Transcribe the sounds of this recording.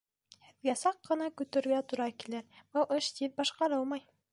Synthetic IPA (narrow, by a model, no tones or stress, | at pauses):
hɘ̆ðɡæsɑqːɤ̆nɑkʉt̪ɘ̆ɾɡæt̪uɾɑkilɘɾbɤlˠʔɤʃt̪ip̚bɑʃqɑɾɤlˠmɑj